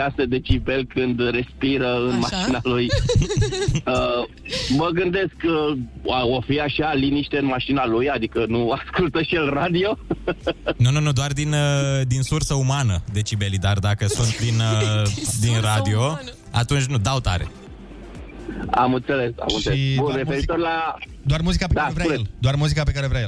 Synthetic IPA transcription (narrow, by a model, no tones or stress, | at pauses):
ased̪et͡ʃibe̞lkɨnd̪re̞spiɾəɨnmaʃinaluj | ə | məɡɨnd̪e̞sk | ofiaʃialiniʃt̪eɨnmaʃinalujad̪ikənuaskult̪əʃielrad̪io̞ | nununud̪oard̪inəd̪insursəumanəd̪e̞t͡ʃibe̞lid̪ard̪akəsunt̪̚d̪inəd̪inrad̪io̞ | a̰t̪unt͡ʃʲnud̪awt̪a̰ɾḛ | a̰mɨnt̪se̞le̞sa̰mɨnʃseleurefmeɾit̪orʲla | d̪oarmuzikapek̪aevɾaleld̪oarmuzikap̬ekaɾevɾaje